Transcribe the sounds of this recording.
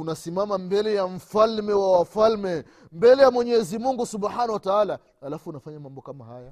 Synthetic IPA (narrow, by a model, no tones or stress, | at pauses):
unasimamambɛlɛjam̩falmɛwawafalmɛ | mbɛlɛjamwɛɲɛzimuŋɡusuɓħanawataala | halafuːnafaɲamambɔkamahaja